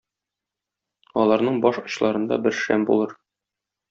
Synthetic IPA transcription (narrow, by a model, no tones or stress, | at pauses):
ɒlˠɑɾnɤɴbɒʃɒɕlˠɑɾɤ̆nd̪ɑ̰bɘɾʃæ̰mbṵlˠɤɾ